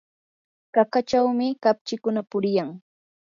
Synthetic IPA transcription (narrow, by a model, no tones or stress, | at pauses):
kakat͡ʃawmɪkap̚t͡ʃɪkʊnapʊɾɪjaŋ